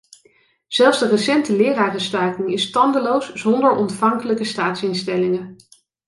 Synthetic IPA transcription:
z̥ɛlˠfzdərəsɛntəlɪːraːrəstœɥkɪŋɪstɑndəlowsz̥ɔndəɹɔntfɑŋkələkəstaːtsɪnstɛlɪŋə

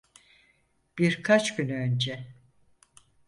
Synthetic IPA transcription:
b̥iɾkʰat͡ʃcynønd͡ʒɛ

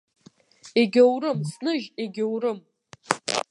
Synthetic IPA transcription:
eɡʲowrɨmsnɨʒeɡʲowrɨm

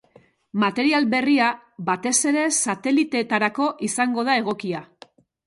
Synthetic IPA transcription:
mat̪e̞ɾialbe̞ria | bat̪e̞se̞ɾe̞sat̪e̞lit̪e̞t̪aɾako̞ʔisaŋɡo̞ð̞ae̞ɣ̞o̞kia

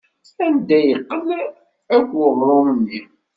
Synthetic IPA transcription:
ænd̪æjəqːəl | ækʷʊðˤomənːi

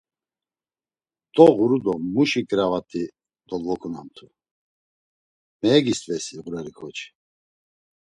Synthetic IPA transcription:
d̪̥ʼɔɣuɾud̪ɔmuʃikʼɾavat̪ʰʼi | d̪ɔlvɔkʰunamt̪ʰu | mɛːɡist̪ʼvɛsiːɣuɾɛɾikʰɔt͡ʃʰi̥

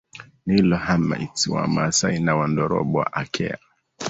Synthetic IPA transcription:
nilɔhama̰itiwa̰masainawandɔɾɔ̰ɓɔa̰ʔakʰɛ̰a

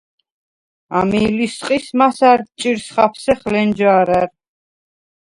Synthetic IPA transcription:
amiːlisqʼismasaɾt͡ʃʼiɾsχapʰsɛχlɛnd͡ʒaːɾaɾ

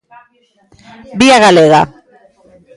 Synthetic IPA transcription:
biaɣaleɣa̰

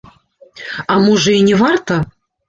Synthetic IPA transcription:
amuʐɨinʲɛvart̪ɐ

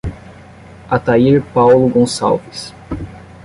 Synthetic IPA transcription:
at̪aiɾpawlʊɡõsa̰wvis

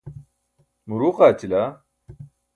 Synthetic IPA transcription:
muɾuːqaːt͡ɕʰila

